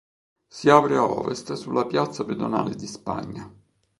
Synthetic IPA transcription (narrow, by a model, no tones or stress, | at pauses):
siaːpɾeaɔ̰ːvest̪sulːapjat̪sːaped̪ona̰ːled̪ispa̰ɲːa